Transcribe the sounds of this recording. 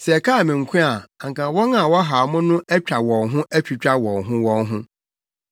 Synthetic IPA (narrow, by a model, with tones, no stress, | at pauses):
sɛ˨ɛ˨kʰa˦˨mɪ̃˨ŋ̩˨kʷʰʊ̃˦a˨a˨ŋ˨kã˨˦wɔ˦ŋã˦˨wɔ˦ɦa˨mʊ̃˦nʊ̃˦ʔɛ˦t͡ɕᶣa˨wɔ̃˨ŋɦʊ̃˦ʔæ˦t͡ɕᶣi˨t͡ɕᶣa˦wɔ̃˨ŋɦʊ̃˦wɔ̃˦ŋɦʊ̃˦